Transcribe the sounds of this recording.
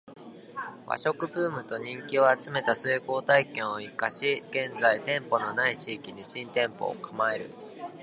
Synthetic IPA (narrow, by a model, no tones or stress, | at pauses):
βa̰ɕo̞kɯ̟bɯːmɯ̟t̪o̞ɲ̟ĩŋkʲio̞at͡sɨme̞t̪aseːko̞ːt̪aikẽ̞ɰ̃o̞ikaɕiɡ̥ẽ̞nd͡zait̪ẽ̞mpo̞no̞nait͡ɕiːkʲid̪eɕĩnt̪ẽ̞mpo̞̰ːkamae̞ɾɯ̟̰